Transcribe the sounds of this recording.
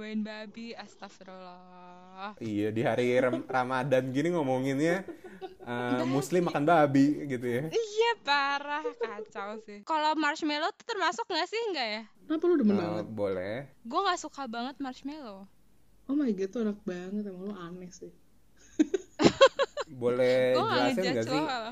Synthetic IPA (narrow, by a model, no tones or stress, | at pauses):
baɪnbabiast̪afɾola | ijadiɦaɾiramadanɡiniŋomoŋɪnɲa | əmuslɪmakanbabiɡit̪ujaijapaɾahkat͡ʃawsɪhkalomarʃmelot̪u̥t̪ərmasʊk̚ŋɡasɪhŋɡaʔjakənapalodəmənbaŋəbolɛɡuaŋasukabaŋət̪̚mart͡ʃmelo | ɔmajɡit̪uanak̚baŋət̪amaŋloanɛhsɪh | bolɛhaŋaaɛad͡ʒɡasɪa